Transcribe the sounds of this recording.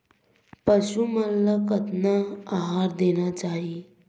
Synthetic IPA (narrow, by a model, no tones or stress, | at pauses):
pəɕuməlːakət̪naːɦaɾd̪enat͡saɦi